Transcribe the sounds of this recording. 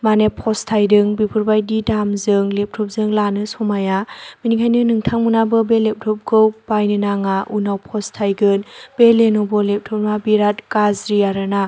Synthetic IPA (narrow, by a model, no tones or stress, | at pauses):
manepʰɔstʰajdɯŋbipʰuɾbajdidamzɯŋlep̚tʰɔp̚zɯŋlanɯsɔmajaminikʰajnɯnɯŋtʰaŋmunabɯbelep̚tʰɔp̚ɡʰɯwbajnɯnaŋaʔunawpʰɔstʰajɡɯnb̥elenobɔlep̚tʰɔp̚mabiɾat̚kazɾiaɾɯna